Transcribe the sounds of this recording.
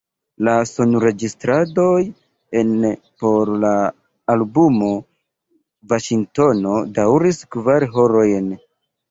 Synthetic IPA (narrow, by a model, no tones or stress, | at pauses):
lasonuɾe̞d͡ʒistɾado̞j | en | po̞ɾlaː | lbumo̞ | vaʃiŋto̞no̞dawɾiskvaɾɦo̞ɾo̞jn